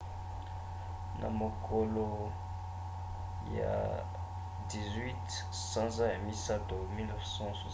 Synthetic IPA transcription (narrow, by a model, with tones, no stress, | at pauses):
nʔa̰˨mo˨kʰo˨lo˨ | ja̰˨ | di˨zɥi˦t | sã˦zã˦ja˨mi˦sa˦to˨mi˦lnɛ˦fsɑ̃˦swa˨